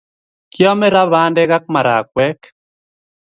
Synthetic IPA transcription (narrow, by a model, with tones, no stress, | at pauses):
kjɔ˦mɛ˦ɾa˦βandɛ˦ɡa˦k̚ma˨ɾa̰˨k̚wɛ˦k